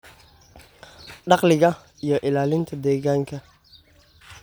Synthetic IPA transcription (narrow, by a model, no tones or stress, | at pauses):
ɖɑqlɪɣɐ | ijɔʔɪlaːlɪnt̪ʰɐd̪ɛːɣaːŋkʰɐ